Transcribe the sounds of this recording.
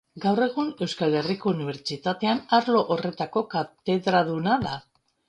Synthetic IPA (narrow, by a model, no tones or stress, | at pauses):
ɡawre̞ɣune̞wskale̞riko̞uniβ̞e̞ɾt͡ʃit̪at̪e̞anaɾlo̞ʔore̞t̪ako̞kat̪e̞ðɾaðunaða